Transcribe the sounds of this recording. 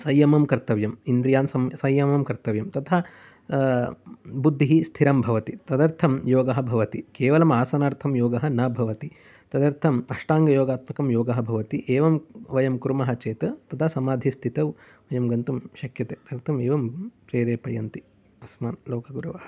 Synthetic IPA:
sɐjːɐmɐmkɐɾt̪ɐʋjɐmind̪ɾijaːnsɐmsɐjːɐmɐmkɐɾt̪ɐʋjɐmt̪ɐt̪ʰɐ | bud̪ʱːiɦist̪ʰiɾɐmbʱɐʋɐt̪it̪ɐd̪ɐɾt̪ʰɐmjoːɡɐɦɐ̆bʱɐʋɐt̪ikeːʋɐlɐmaːsɐnaːɾt̪ʰɐmjoːɡɐɦɐ̆nɐbʱɐʋɐt̪i | t̪ɐd̪ɐɾt̪ʰɐmɐʂʈaːŋɡɐjoːɡaːt̪mɐkɐmjoːɡɐɦɐ̆bʱɐʋɐt̪iʔeːʋɐmʋɐjɐmkuɾmɐɦɐt͡ʃeːt̪ɐt̪ɐt̪ʰɐsɐmaːd̪ʱist̪ʰit̪ɐʋ | ʋɐjɐmɡɐnt̪umʃɐkjɐt̪eːt̪ɐd̪ɐɾt̪ʰɐmeːʋɐmpɾeːɾeːpɐjɐnt̪i | ɐsmaːnloːkɐɡuɾɐʋɐhɐ̥

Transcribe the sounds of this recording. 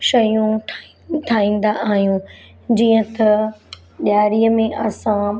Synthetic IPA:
ʃɐjũʈʰ | ʈʰaːĩːn̆d̪aʔaːɦjũ | d͡ʑiːə̃t̪ɐ | ɗaːɾiːəmẽʔɐsã

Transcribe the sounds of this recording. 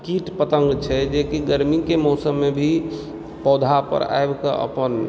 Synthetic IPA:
kiʈpət̪əŋɡt͡ʃʰɛd͡ʒekiɡəɾmikemɔːsəmːebʱi | pɔːd̪ʱapə̰ɾa̰ebkə̰ə̰pən

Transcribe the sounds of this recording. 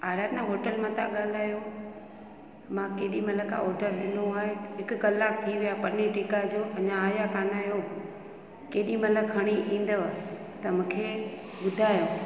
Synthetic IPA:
aːɾaːt̪nãɦoːʈəlmãt̪ʰa̰ɠaːl̤aːjo | mãkeːɗimɐləka̰ɦɔːɖəɾɗɪnoaːɦeɦɪkʊkɐlːaːk̚t̪ʰiʋijapɐneʈiːkad͡ʑoːʔɐɲãaːjakaːnaːjo | keːɗĩmɐləkʰɐɽ̃iʔĩːn̆d̪ə | t̪ɐmũːkʰe | ɓʊd̪ʱaːjoː

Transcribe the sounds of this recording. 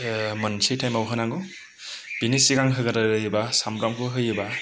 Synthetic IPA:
mɯnsʰejtʰajmawɦɯnaŋɡɯ | b̥inisiɡaŋɦɯɡaɾalɯjɯbasamɾamkʰɯɦɯjɯba

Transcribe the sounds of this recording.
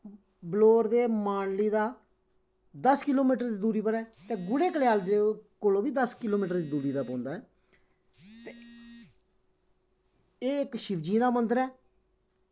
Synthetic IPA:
bloːɾd̪eːmaːnliːd̪aː | d̪əskɪloːmiːʈəɾd̪iːd̪uːɾiːpəɾɛːt̪ẽːɡʊɽeːkəleaːld̪eːkolõːbiːd̪əskɪloːmiːʈəɾd̪iːd̪uːɾiːd̪aːpõːnd̪aːɛː | t̪e | eːɪkʃɪʋd͡ʒĩːd̪aːmənd̪əɾɛː

